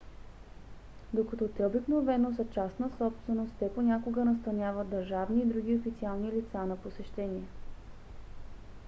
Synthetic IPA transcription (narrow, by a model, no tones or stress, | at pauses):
d̪okɐt̪ɔt̪ɛobiknovɛnosət͡ʃasnəsɔpst̪vɛnost̪t̪ɛponʲakoɡənɐs̬t̪ɐnʲavət̪̚d̪ɐɾʒavniːd̪ɾuɡ̟ʲiofit̪sialˠnilit̪sanɐposɛʃt̪ɛniɛ